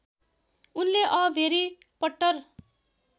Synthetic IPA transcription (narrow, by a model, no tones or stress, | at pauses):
unleʔʌbʱeɾipʌʈːʌr